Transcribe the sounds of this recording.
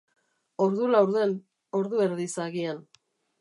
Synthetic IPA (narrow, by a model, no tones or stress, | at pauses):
o̞ɾðulawɾðe̞n | o̞ɾðue̞ɾðisaɣian